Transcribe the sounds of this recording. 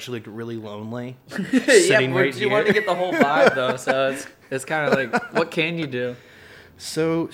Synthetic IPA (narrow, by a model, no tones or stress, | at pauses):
t͡ʃul̩ˠiɹɪlˠilõʊ̃nli | jɛæɾɪ̃ŋeɪjɨwɑ̃tɨɡɛt̪̚ðəɦoʊlˠaɪbðoʊsoʊɪts | ɨtskʰãɪ̃ndnəlaɪkwʌt̚kʰɨ̃njɨdʉ | soʊ